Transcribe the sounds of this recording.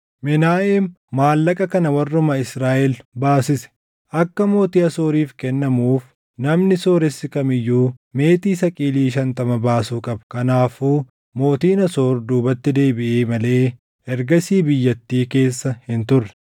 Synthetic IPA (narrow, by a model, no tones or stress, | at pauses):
mɪnaːʔemː | aːlːɐkʼɐkɐnɐwɐrːʊmɐɪsɾaːʔɛlbaːsɪsɛ̥ | ʔɐkːɐmo̞ːt̪iːɐso̞ːɾiːfkɛnːɐmuːf | nɐmnɪso̞ːɾɛsːɪkɐmɪjːuːme̞ːt̪iːsɐkʼiːliːʃɐnt̪ɐmɐbaːsuːkʼɐbɐ̥kɐnaːfuː | mo̞ːt̪iːnɐso̞ːɾd̪uːbɐt̪ːɪd̪e̞ːbɪʔeːmɐle̞ː | ɛɾɡɐsiːbɪjːɐt̪ːiːke̞ːsːɐhɪnt̪ʊrːɛ̥